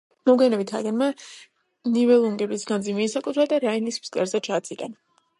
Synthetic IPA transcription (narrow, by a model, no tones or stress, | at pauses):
mɔɡɛnɛbit̪ʰa̰ɡɛnma | nivɛlˠuŋɡɛbisɡand̪zimiːsakʼut̪ʰɾad̪aɾainispskʼlɛɾzɛt͡ʃʰaːt̪sʰʼikʼa̰na